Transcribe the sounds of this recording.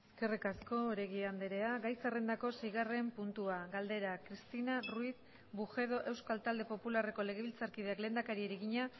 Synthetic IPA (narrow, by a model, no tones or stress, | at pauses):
eske̞rikasko̞ːɾe̞ɣiand̪eɾe̞aɣajt͡sare̞nd̪ako̞siɣare̞mpunt̪uaɣald̪e̞ɾakɾist̪inaruiθ | buxe̞ðo̞ʔe̞wskalt̪ald̪e̞po̞pulare̞ko̞le̞ɣ̞e̞βilt͡saɾkið̞e̞akle̞ːnd̪akaɾieɾeɣiɲa